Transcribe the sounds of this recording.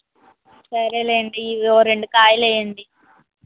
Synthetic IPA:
sɐɾeleːɳɖiːoːɾeɳɖukaːjɐlejɐɳɖi

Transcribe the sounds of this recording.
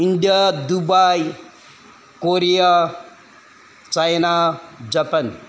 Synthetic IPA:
iɳɖijad̪ubaj | koɾija | t͡sajnad͡zapan

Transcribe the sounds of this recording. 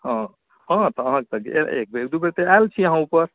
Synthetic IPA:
ɦã | ɦãt̪ɔəɦãket̪əkḛḛḛk̚beekd̪ubeɾt̪ealt͡ʃʰiəɦãupəɾ

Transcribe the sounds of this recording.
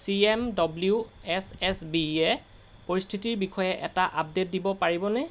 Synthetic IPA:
siemdɔbliuɛsɛsbiɛ | poɹist̪ʰitiɹbikɔjɛʔɛtaʔap̚det̚dibɔpaɹibɔnɛ

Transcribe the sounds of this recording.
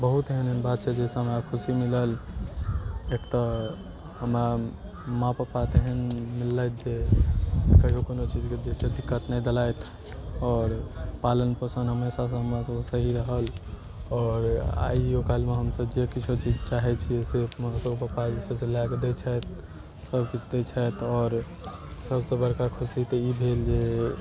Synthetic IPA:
bəɦut̪ɦenenbat̪̚t͡ʃʰɛd͡ʒeseɦəmɾakʰusimiləl | ekt̪ə | ɦəmɾa | mãpəɾpat̪eɦənmilːajt̪̚ʰd͡ʒe | kəɦiokonot͡ʃid͡ʒked͡ʒesed̪ikːət̪nəjd̪elajt̪ʰ | ɔːɾpalənpəsənɦəmesasə̃ɦəmɾasəbsəɦiɾəɦəl | ɔːɾa̰okalmeɦəmsəbd͡ʒekit͡ʃʰot͡ʃid͡ʒt͡ʃaɦɛt͡ʃʰiesemãsəbpəpad͡ʒisəsẽlaɡd̪ɛt͡ʃʰəjt̪ | səbkit͡ʃʰd̪ɛt͡ʃʰɛjt̪ʰɔɾ | səbsə̃bəɾkakʰusit̪əibʱeld͡ʒe

